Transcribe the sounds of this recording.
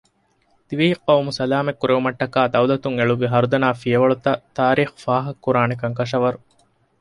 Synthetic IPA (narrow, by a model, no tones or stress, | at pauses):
d̪̥iʋiɦiqːɐumusɐlaːmekːuɾeʋumɐʈːɐkaːd̪ɐwlɐt̪uŋeɭuʋiɦɐɾud̪ɐnaːfijɐʋɐɭut̪ɐt̪aːɾiːxu̥faːɦɐkːuɾaːnekɐŋkɐʂ̬ɐʋɐɾu